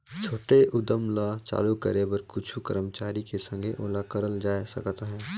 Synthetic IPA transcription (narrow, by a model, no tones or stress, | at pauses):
t͡ʃʰoːʈeʔʊd̪əmlat͡ʃa̰ːlukə̰ɾebəɾkʊt͡ʃʰukə̰ɾəmt͡ʃaːɾikesɐ̃ŋɡʱeʔoːlakəɾəld͡ʒaːesɐ̰kt̪aɦɛ̃ː